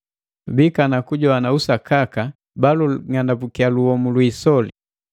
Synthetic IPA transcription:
bikanakuɟɔanausakaka | baluŋandapukialuhɔmulwisɔli

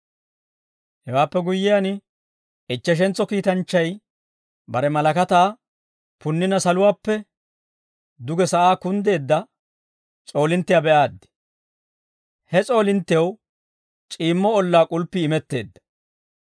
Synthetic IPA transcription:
hɛwaːpːɛɡʊjːɪjan | ɪt͡ʃːɛʃ̬ɛnt͡sːɔkiːt̪ɐnt͡ʃːɐj | bɐɾɛmɐlɐkɐt̪aː | pʊnːɪnɐsɐlʊwaːpːɛ | d̪ʊɡɛsɐʔaːkʊnd̪e̞ːd̪ːɐ | t͡sʼo̞ːlɪnt̪ːɪjabɛʔaːd̪ːɪ̥ | hɛt͡sʼo̞ːlɪnt̪ːɪjɐw | t͡ʃʼiːmːɔɔlːaːkʼʊlpːɪːmɛt̪ːe̞ːd̪ːɐ̥

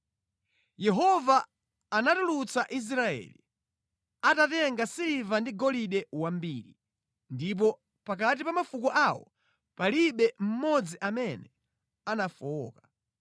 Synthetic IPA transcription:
jɛɦɔvaː | natulut͡saʔis̬ɾaɛ̰lḭ | atatɛŋɡasilivandiɡɔliɗɛwambiɾḭ | ndip̬ɔ | pak̬at̬ipamafukɔʔawɔ̰ | paliɓɛm̩mɔd͡ziʔamɛnɛ | anafɔːkḁ

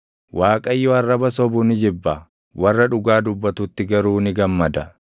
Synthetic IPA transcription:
waːkʼɐjːɔɐrːɐbɐsɔbʊnɪd͡ʒɪbːɐ | wɐrːɐᶑʊɡaːd̪ʊbːɐt̪ʊt̪ːɪɡɐɾuːnɪɡɐmːɐd̪ɐ

